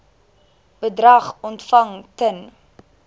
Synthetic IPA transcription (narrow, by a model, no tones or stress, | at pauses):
b̥ədrɐχɔntfɐŋkən